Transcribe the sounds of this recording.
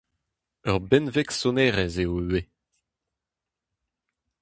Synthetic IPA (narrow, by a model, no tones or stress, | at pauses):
œʁbɛnvɛksɔnɛʁɛzeowe